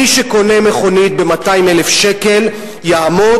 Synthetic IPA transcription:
iʃeko̞nemeχo̞nit̪̚bemataimelefʃeke̞l | jaamo

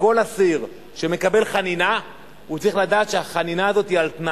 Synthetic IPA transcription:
ko̞lasiʁ | ʃe̞me̞kabe̞lχanina | ut͡sʁiχlad̪aːt̪ʃeaχaninaːzo̞t̪hialt̪na

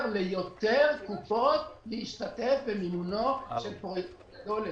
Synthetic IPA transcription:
ʁlejot̪eʁkupot̪leiʃt̪at̪efbemimunoʃelpo | dol

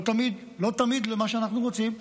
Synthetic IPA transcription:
t̪amid̪ | lo̞t̪amid̪lemaʃeanaχnuʁot͡sim

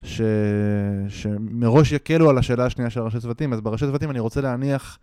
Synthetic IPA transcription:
ʃe̞ | ʃe̞meʁo̞ʃjake̞lualaʃe̞ːlaːʃnijaʃeʁaʃatzvat̪imazbeʁaʃatzvat̪imaniʁo̞t͡se̞leaniaχ

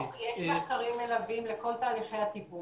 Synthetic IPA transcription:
jeʃmaχkaʁimelavimleko̞lt̪aːliχejat̪ibu

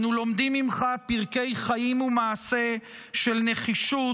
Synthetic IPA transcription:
nulo̞md̪imimχapiʁke̞jχajimumaːse̞ | ʃe̞lne̞χiʃu

